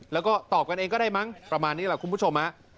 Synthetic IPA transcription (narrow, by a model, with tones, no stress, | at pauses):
lɛː˦˥wkɔː˥˩t̪ɔː˨˩p̚ka˧nʔeː˧ŋkɔː˥˩daː˥˩jma˦˥ŋpɾa˧maː˧nːiː˦˥lɛ˨˩ku˧npʰu˥˩t͡ɕʰo˧mha˦˥ʔ